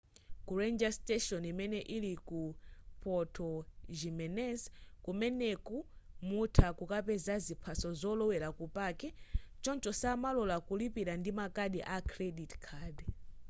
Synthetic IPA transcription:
kuɾɛnd͡ʒastɛʃɔnimɛnɛʔilikupʰɔtʰɔʒimɛnɛskumɛnɛkumutʰakukapɛzazipʰasɔzɔlɔwɛɾakupakɛt͡ʃɔnt͡ʃɔsamalɔlakulipiɾandimakaɗiʔakʰɾɛɗitkʰaːd

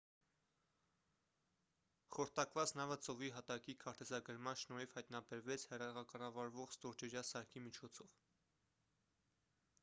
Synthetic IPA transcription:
χɔɾt̪ɑkvɑt͡snɑvət͡sɔviɦɑt̪ɑkikʰɑɾt̪ɛzɑɡəɾmɑnʃnɔɾifhɑjt̪nɑbɛɾvɛt͡sʰhɛrɑʁɑkɑrɑvɑɾvɔʁst̪ɔɾt͡ʃɛɾjɑsɑɾkʰimit͡ʃʰɔt͡sʰɔv

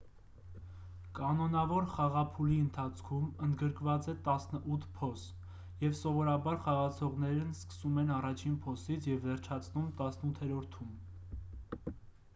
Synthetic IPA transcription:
kɑnɔnɑvɔɾχɑʁɑpʰuliənt̪ʰɑt͡sʰkʰumənd̪ɡəɾkvɑt͡sɛt̪ɑsnəʔut̪ʰpʰɔs | jɛvsɔvɔɾɑbɑɾχɑʁɑt͡sʰɔʁnɛɾnskə̥sumɛnɑrɑt͡ʃʰinpʰɔsit͡sʰjɛvːɛɾt͡ʃʰɑt͡sʰnumt̪ɑsnut̪ʰɛɾɔɾt̪ʰum

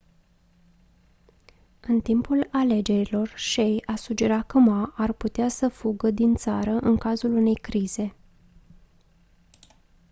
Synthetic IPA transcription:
ɨnt̪impulale̞d͡ʒe̞ɾilo̞rʃejasud͡ʒe̞ɾat̪̚kəmaʔarput̪easəfuɡəd̪int̪saɾəʔɨŋkazulune̞jkɾiz̥e̞

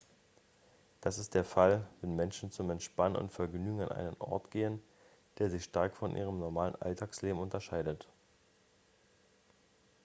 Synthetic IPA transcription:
d̥asɪst̚d̥eːɐfalvɛnmɛnʃn̩t͡sʊmɛntʃpannʊ̰ntfɛɐɡnyːɡŋ̩anʔa̰ɪnənʔɔ̰ɐtɡ̥eːən | d̥eːɐzɪçʃtaɐkfɔnʔḭːʁ̞əmnɔɐmaːlə̰nʔa̰ltʰaːksleːbm̩ʊntɐʃaɪdət

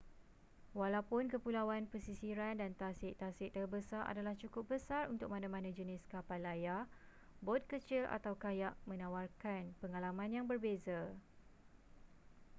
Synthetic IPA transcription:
walawpʊnkəpulawanpəsisiɾandant̪asɪʔt̪asɪʔt̪ərbəsaɾʔa̰dalaht͡ʃukʊp̚bəsarunt̪ʊk̚mãnãmãnãd͡ʒənɪskapalaja | bɔt̪̚kət͡ʃɪla̰t̪awkajaʔmə̃nãwarkanpəŋalamãnjaŋbərbeza

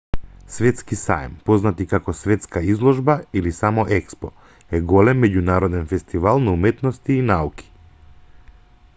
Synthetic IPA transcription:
svɛt̪skisa̰jmpɔznat̪ikakɔsvɛt̪skaizlˠɔʒbailisamɔʔɛkspɔ | ɛɡɔlɛmːɛɟunaɾɔd̪ɛnfɛst̪ivalˠnaumɛt̪nɔst̪iːnauki̥

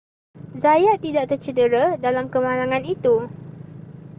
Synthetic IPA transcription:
zajaʔt̪idaʔt̪ərt͡ʃədəɾadalamkəmãlaŋãnit̪u

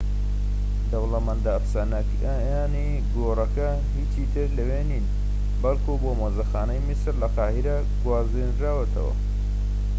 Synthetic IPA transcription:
d̪ɐwlɐmɐnd̪afsanɐk | jaːni | ɡoːrɐkɐ | hit͡ʃit̪ʰɨɾlɐwenin | bɐlˠkʰubomoːzɐxaːnɐjmisɾlɐqɑːhiɾɐ | ɡwaːzinɾaːwet̪ʰɐ̰wɐ̰

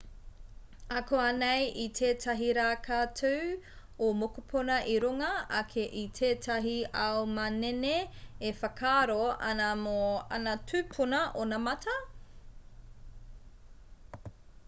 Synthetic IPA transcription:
ɐkoɐnejʔitʰeːtʰɐɦiɾaːkʰaːtʰow | omokupʰonɐʔiɾuŋɐɐkʰeʔitʰeːtʰɐɦiɐwmɐneneefɐkʰaɾoɐ̰nɐmoɐ̰nɐtʰʉːpʰunɐʔonɐmɐtʰɐ

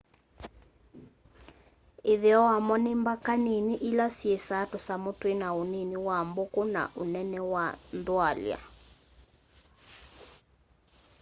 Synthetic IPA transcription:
ɪðeɔwamɔnɪmbakaniniʔɪlasiesatʊsamotwenaoneniwambokona̰ʔonɛnɛwandwalj̰a̰

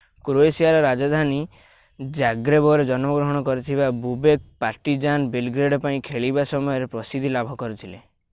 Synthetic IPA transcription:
kɾoesijaɾɔɾad͡ʒɔd̪ʱani | d͡ʒaɡɾebɔɾed͡ʒɔnmɔɡɾɔɦɔɽ̃ɔkɔɾit̪ʰibabubek̚paɾʈid͡ʒanbelɡɾeɖɔpaĩkʰeɭibasɔmɔjɔɾepɾɔsid̪ʱilabʱɔkɔɾut̪ʰile

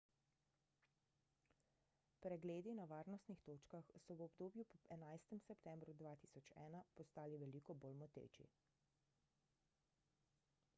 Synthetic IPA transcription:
pɾɛɡleːd̪inaʋaːɾnɔst̪nixt̪oːt͡ʃkaxsɔwɔbd̪oːbjupɛnajst̪ɛmsɛpt̪ɛmbɾud̪ʋaːt̪isɔt͡ʃɛ̰ːnapɔst̪aːliʋɛliːkɔboːlmɔt̪ḛːt͡ʃḭ

